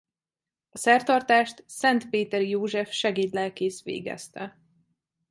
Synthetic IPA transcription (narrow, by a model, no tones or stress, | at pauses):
ɒsɛrt̪ɒrt̪aːʃt̪sɛnt̪peːt̪ɛrjoːʒɛfʃɛɡiːt̪lɛlkeːsʋḛːɡɛ̰st̪ɛ